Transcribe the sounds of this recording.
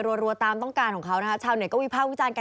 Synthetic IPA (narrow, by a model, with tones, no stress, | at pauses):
ɾu˧əɾu˧ɐt̪aː˧mt̪ɔ˥˩kaː˧nkɔ˨˩˦ŋkʰa˦˥wna˦˥kʰa˦˥t͡ɕʰaː˧˩wni˧˩kɔː˥˩miː˦˧˥pʰaː˥˩wi˦˥t͡ɕaː˧nka˧